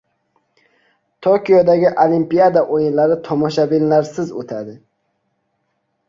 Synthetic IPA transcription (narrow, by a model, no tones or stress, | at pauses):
t̪ʰokʲijɒd̪aɡʲɪʔolimpijad̪aʔojɪnlaɾɪt̪ʰɒmɒʃabɪnlaɾsɪzo̰t̪ʰad̪ɪ